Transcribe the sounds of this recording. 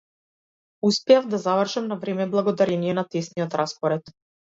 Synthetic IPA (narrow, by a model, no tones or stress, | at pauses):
uspɛjavd̪azavr̩ʃamnavɾɛmɛblˠaɡɔd̪aɾɛnijɛnat̪ɛsniɔt̪ɾaspɔɾɛt̪